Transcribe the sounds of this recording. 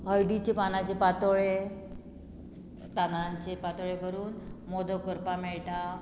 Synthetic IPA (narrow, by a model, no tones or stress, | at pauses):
ɦəjɖit͡ɕepanat͡ɕepat̪oɭe | t̪anaɲt͡ɕepat̪oɭekəɾuːnmod̪ʱokəɾpameɭʈa